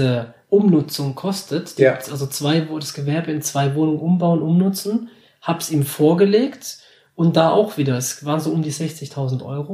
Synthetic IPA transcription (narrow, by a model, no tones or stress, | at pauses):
ə | ʔʊmnʊt͡sʊŋkʰɔstʰətd̥iːpsʔalzot͡sv̥aɪvod̥asɡ̥əvɛɐbəɪnt͡sv̥aɪvoːnʊŋənʔʊmbaʊənʔʊmnʊt͡sn̩ | haːbsiːmfoːɐɡəleːkt | ʔʊnt̚d̥aːʔa̰ʊxv̥iːdɐɛsvaːʁnzoːʔʊmdiːzɛçt͡sɪçtʰaʊzn̩tʔɔ̰ʏʁoː